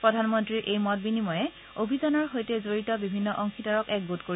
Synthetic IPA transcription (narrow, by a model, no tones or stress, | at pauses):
pɹɔdʱanmɔntɹiɹʔejmɔt̚binimɔjɛ | obʱizanɔɹɦojtɛzoɹitɔbibʱinːɔʔɔŋxʰitɔɹɔkɛk̚ɡotkoɹi